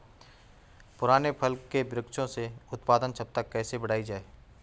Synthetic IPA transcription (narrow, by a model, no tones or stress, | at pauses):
pʊɾaːnepʰəlkːebɾɪkʃõseʊt̪paːd̪ənt͡ʃʰɐp̚t̪akːɛːsebəɽ̤aːid͡ʒaːeː